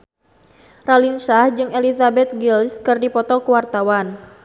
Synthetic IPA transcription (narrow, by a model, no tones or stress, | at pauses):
ralinʃahd͡ʒɨŋelizabɛt̪̚ɡilskɨrdipɔt̪ɔkuwart̪awan